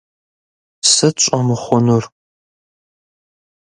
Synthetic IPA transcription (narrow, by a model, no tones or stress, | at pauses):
sɨɕʷʼɐmɨχʷɔnʊr